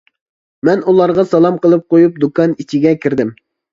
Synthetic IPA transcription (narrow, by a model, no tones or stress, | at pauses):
mɛnulˠɑɾʁɑsɑlˠɑmqəlˠɨp̚qojup̚d̪ukɑnit͡ʃʰiɡʲɛkʲʰiɾd̪ɪm